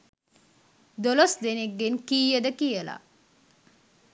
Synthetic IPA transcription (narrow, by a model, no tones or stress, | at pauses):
d̪olosd̪eneɡːenkiːjəd̪əkijəla̰